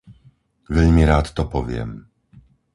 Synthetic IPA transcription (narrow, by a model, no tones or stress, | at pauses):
vɛʎʲmʲiɾaːt̪ːɔpɔvʲjɛ̰m